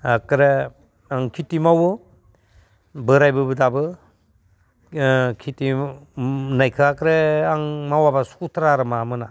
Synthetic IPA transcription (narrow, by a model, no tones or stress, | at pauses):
akɾe | aŋkʰitimawɯ | bɯɾajbɯbɯdabɯ | kʰiti | najkʰɯakɾeaŋmawabasu̥kutʰɾaɾɯmamɯna